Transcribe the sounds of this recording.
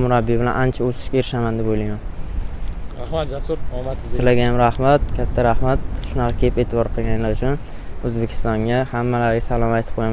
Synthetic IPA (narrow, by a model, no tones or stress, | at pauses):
mʊɾabːibɪlanʔant͡ʃʰaosɪ̥ʃkʲaeɾɪʃamand̪ebojlajman | aasɾmasɪlaɡʲajamɾahmat̪̚kʲʰat̪ʰːaɾahmat̪̚ʰɪ̥ʃnɑʁɑkʲʰepet̪ʰɪbɒɾqʰɨlˠɡʲanlaɾʊt͡ʃʰʊn | ɵzbekʲʰɪ̥st̪ɒŋɡʲahamːalaɾɡʲasalˠɒmajt̪ʰɪ̥p̚qʰojam